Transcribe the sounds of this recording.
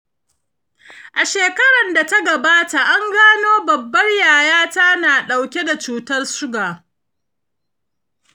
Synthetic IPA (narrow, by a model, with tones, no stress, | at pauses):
ʔa˨ʃeː˨kɐ˦ɽɐ˨nda˨ta˦ɡɐ˨baː˦ta˨ʔa˦ŋɡaː˦noː˦bɐ˨bːɐ˦rjaː˨jaː˦ta˦naː˨ɗa˨wkʲe˦da˨t͡ʃuː˨tɐ˦rʃʊ˦ɡaː˨